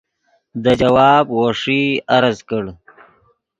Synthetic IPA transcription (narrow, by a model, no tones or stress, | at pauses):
d̪əd͡ʒawɑːbwoʂiaɾazkəɽ